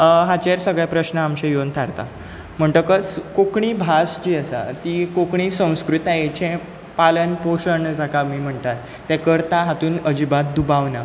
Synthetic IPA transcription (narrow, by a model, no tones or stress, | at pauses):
ɦat͡ɕeɾsəɡɭjapɾəɕnəamɕẽjont̪ʰaɾt̪a̰ | m̤əɳʈ̪əkət͡skokɳiːbʱasd͡ʑiːəsa̰t̪ikokɳiːsə̃w̃skɾut̪ajet͡ɕẽ | palənpoɕəɳd͡zakamiːm̤əɳt̪at̪ːɛkəɾt̪aɦat̪uːnəd͡ʑibat̪̚d̪ubaʋna